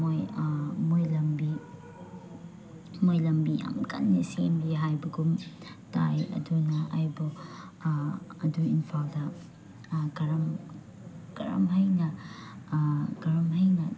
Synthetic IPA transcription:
mojmojlɐmbi | mojlɐmbija̰mkɐ̰nːisemɾiɦajbɐɡum | tajɐ̰dunɐʔajbɔ | ɐduinpʰaldɐ | ɡɐɾɐm | ɡ̥ɐ̰ɾɐ̰mɦɐjnɐ | ɡ̥ɐɾɐmɦɐjnɐ

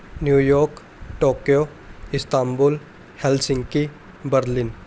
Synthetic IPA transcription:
njuːjɔːɾk | ʈoːkijo | ɪst̪aːmbol | hɛlsɪ̃ŋɡki | bəɾlɪn

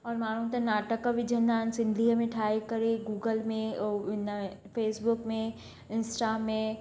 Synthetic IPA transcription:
ɔːɾmaːɽ̤ũt̪ɐnaːʈəkʋɪd͡ʑʱə̃nd̪aːɦɪnsɪ̃nd̪ʱiːɦəmẽʈʰaːekɐɾeɡuːɡəlmẽɪnəfeːsbʊkmẽ | ɪnsʈamẽ

